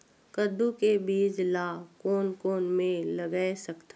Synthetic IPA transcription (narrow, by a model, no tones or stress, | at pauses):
kəd̪ukebiːd͡ʒlaːkoːnkoːnmẽləɡasɐkt̪a